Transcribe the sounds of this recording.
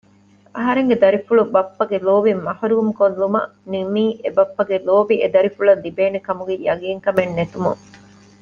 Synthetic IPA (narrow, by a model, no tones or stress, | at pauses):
ɐɦɐɾeŋɡed̪ɐɾifuɭubɐpːɐɡeloːʋimːɐhɐɾuumkolːumɐ̰nimiːʔebɐpːɐɡeloːʋiʔed̪ɐɾifuɭɐlːibeːnekɐmuɡejɐɡiːŋkɐmenːet̪umṵŋ